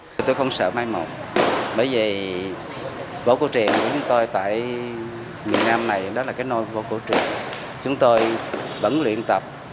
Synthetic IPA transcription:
t̪o˧jxə˧wŋ͡msə̰ː˧˨maː˧jmo̰˨˩t̚ | ɓəː˧˩jvi˨˩ | vo̰˧˥ko˧˩t͡ɕwḭ˨˩ənku˧˩˦t͡ɕʊ˨˦ŋ͡mt̪o˧jt̪a̰ː˧˨j | mi˨˩ənaː˧mna˨˩jɗɔ˨˦laː˨˩kaː˨˦jno˧jvo̰˧˥ko˧˩t͡ɕwḭ˨˩ən | t͡ɕʊ˨˦ŋ͡mt̪o˧jvə̰˧˥nlwḭ˧˨ənt̪ə˨˩p̚

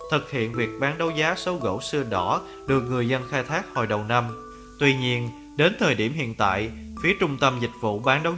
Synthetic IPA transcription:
t̪ʰɨ˨˩k̚hḭ˧˨ənvi˨˩ək̚ɓaː˨˦nɗə˨˦wzaː˨˦so˨˦wɣo̰˧˥˩wsɨ˧əɗɔ˧˩˥ | ɗɨ˨˩ək̚ŋɨ˨˩əjzə˧nxaː˧jt̪ʰaː˦˥k̚hɔ˨˩jɗə˨˩wna˧m | t̪wi˧ɲi˧ən | ɗe˨˦nt̪ʰəː˨˩jɗi˧˩əmhḭ˧˨ənt̪a̰ː˧˨jfi˨˦ət͡ɕʊ˧ŋ͡mt̪ə˧mzï˨˩k̟̚vṵ˧˨ɓaː˨˦nɗə˨˦w

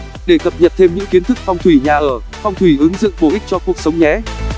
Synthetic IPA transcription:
ɗe˧˩k̪ə˨˩p̚ɲə˨˩p̚t̪ʰe˧mɲɨ̰˧˥ŋki˨˦ənt̪ɨ˦˥k̚fa˧wŋ͡mt̪ʰwi˧˩ɲaː˨˩ʔəː˧˩ | fɔ˧wŋ͡mt̪ʰwi˧˩ʔɨ˨˦ŋzɨ̰˧˨ŋɓo˧˩ʔï˦˥k̟̚t͡ɕɔ˧ku˨˩ək̚sə˨˦wŋ͡mɲɛ˨˦

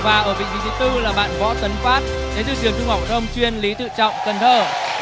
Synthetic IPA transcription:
vaː˨˩ʔəː˧˩vḭ˧˨vḭ˧˨t͡ɕi˨˦t̪ɨ˧laː˨˩ɓa̰ː˧˨nvɔ̰˧˥t̪ə˨˦nfwaː˦˥t̚ | t͡ɕe˨˦zɨ̰˧˩t̪ɨ˨˩əŋt͡ɕʊ˧ŋ͡mɦa˨˩w̚ɗə˧wŋ͡mt͡ɕwi˧ənli˨˦t̪ɨ̰˧˨t͡ɕɔ̰˧˨wŋ͡mkə˨˩nt̪ʰəː˧˩

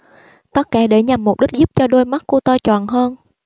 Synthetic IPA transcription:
t̪ə˦˥t̚kaː˧˩˦ɗe˧˩˦ɲa˨˩mː˨˩k͡p̚ɗi˦˥k̟̚zu˦˥p̚t͡ɕɔ˧ɗo˧jma˦˥t̚kːu˧t̪ɔː˧jt͡ɕwɔ̰ː˧˨nɦəː˧n

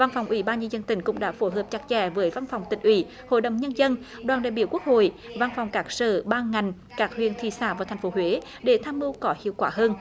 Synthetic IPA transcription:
va˧nfɔ˨˩wŋ͡mʔwi˨˦ɓaː˧nɲə˧nzə˧nt̪ï˧˩ŋ̟kʊ̰˧˥ŋ͡mɗa̰ː˧˥fo˧˦ɦəː˨˩p̚t͡ɕa˨˧˩k̚t͡ɕɛ˧˩vəː˨˦jva˧nfɔ˨˩wŋ͡mt̪ï˨˩ŋ̟ʔwḭ˧˩ | ho̰˧˨jɗə̰˧˨wŋ͡mɲə˧nzə˧n | ɗwaː˨˩nɗa̰ː˧˨jɓi˧˩əwku˦˥ək̚ho̰˧˨j | va˧nfɔ˨˩wŋ͡mkaː˦˥k̚sə̰ː˧˨˩ɓaː˧ŋa˨˩jŋ̟ | kaː˦˥k̚hwḭ˧˨ənt̪ʰḭ˧˨saː˧˩vaː˨˩wt̪ʰŋ̟fo˨˦ɦwe˨˦ | ɗe˧˩t̪ʰaː˧mʔɨ˧wkɔ˨˦hḭ˧˨əwkwaː˧˩həː˧n

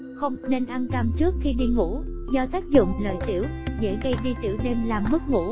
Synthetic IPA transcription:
xə˧wŋ͡mne˧nʔa˧nt̪a˧mt͡ɕɨ˦˥ək̚xi˧ɗi˧ŋṵ˧˥zɔ˧t̪aː˦˥k̚zʊ̰˧˨ŋ͡mlə̰ː˧˨jt̪ḭ˧˩˦əwzḛ˧˥ɣə˧jɗi˧t̪ḭ˧˩əwɗe˧mlaː˨˩mːɨ˦˥k̚ŋṵ˧˥

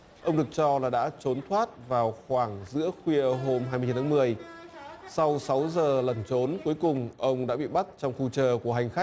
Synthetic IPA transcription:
ʔə˧wŋ͡mɗɨ˨˩ək̚t͡ɕɔ˧laː˨˩ɗa̰ː˧˥t͡ɕo˨˦nt̪ʰwaː˦˥t̚vaː˨˩wxwaː˧˩ŋzɨ̰˧˥əxwi˧əɦo˧mɦaː˧mː˧t̪ʰːaː˨˦˥mɨ˨˩əj | sa˧wsa˨˦wzəː˨˩lə˨˩nt͡ɕo˨˦nku˨˦əjkʊ˨˩ŋ͡mʔə˧wŋ͡mɗa̰ː˧˥ɓḭ˧˨ɓa˦˥t̚t͡ɕɔ˧wŋ͡mxu˧t͡ɕəː˨˩ku˧˩əɦa˨˩jŋ̟xa˦˥k̟̚

